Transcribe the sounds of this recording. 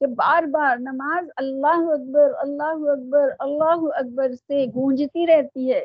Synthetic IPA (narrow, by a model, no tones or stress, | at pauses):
kebaːɾbaːɾnɐmaːzɐlːaːɦuɐk̚bəɾɐlːaːɦuɐk̚bəɾɐlːaːɦuɐk̚bəɾseɡʱũːd͡ʒt̪iɾɛɦt̪iɦɛː